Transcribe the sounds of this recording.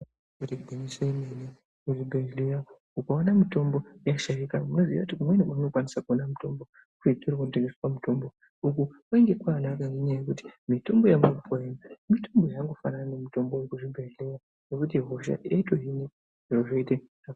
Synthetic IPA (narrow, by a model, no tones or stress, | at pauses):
kutibʱuniseimeni | kuʐimbʱeɦleja | ukaanamito̞mbo̞jaʃaikamunoziʋa̰kutikumwenimauno̞kwanisakuonamuto̞mbo̞ | kuiturkonteŋɡeswamuto̞mbo | ukukwaiŋɡe̞kwaːnakaneɲajekuti̥mito̞mbo̞jamuupʰoenamito̞mbo̞jaŋɡo̞fanananemito̞mbojekuʐimbʱeɦleja | nekut̬iɦoʃa̰ʔiaitweɦine | eoʐeite | a